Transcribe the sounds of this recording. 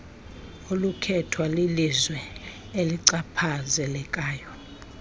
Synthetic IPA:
olukʰɛtʰwalilizwɛ | eliǀapʰazɛlɛkʼaːjɔ

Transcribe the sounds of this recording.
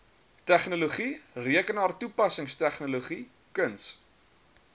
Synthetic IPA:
tæχnuluχiriəkənɑːrtupɐsəŋstæχnuluχi | kəns

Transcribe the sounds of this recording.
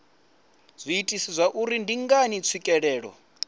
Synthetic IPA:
z̥ʷiːtʼisizʷaʔuɾindiŋɡanit͡sʰikʼɛɺɛːɺɔ̰

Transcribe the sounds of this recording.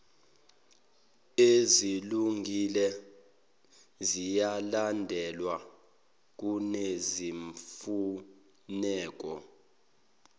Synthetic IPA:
eziluŋɡʱilɛ | zijalandʱɛlwa | k̬ʼuneziɱfu | nɛːk̬ʼɔ

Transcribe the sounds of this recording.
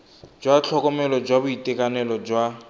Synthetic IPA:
d͡ʒwat͡ɬʰɔkɔmɛlɔd͡ʒwabuitʼɛkʼanɛlɔd͡ʒwa

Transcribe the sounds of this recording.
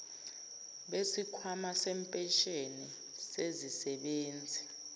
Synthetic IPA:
ɓesikʰwamasɛmpʼɛʃeni | sezisɛɓeːnd͡zʱi

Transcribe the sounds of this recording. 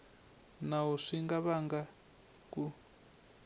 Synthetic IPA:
naɦuʂiŋɡaβaŋɡa | ku

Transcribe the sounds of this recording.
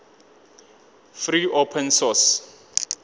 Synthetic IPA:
friʔopʰɛnsɔs

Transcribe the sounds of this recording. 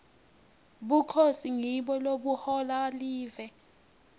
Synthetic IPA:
ɓukʰosiŋiɓɔloɓuhɔlaliːvɛ

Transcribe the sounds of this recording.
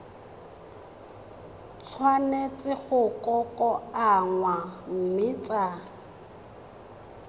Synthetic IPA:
t͡sʰwanet͡sɪɣʊkʼɔkʼɔaŋwam̩mɪt͡sʼa

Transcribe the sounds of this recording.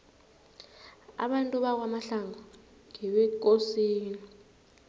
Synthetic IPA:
a̰ɓantʼuɓak̬wamaɬaŋɔ | ŋɛɓɛk̬osiːni

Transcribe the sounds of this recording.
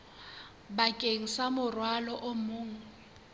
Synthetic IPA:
bakʼeŋ̩samʊrwalɔʔomʊːŋ̩

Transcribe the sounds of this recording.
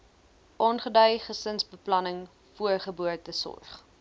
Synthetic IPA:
ʔɔnχədœjχəsənsbəplɐnəŋ | fuərχəbuətəsɔ̰rχ

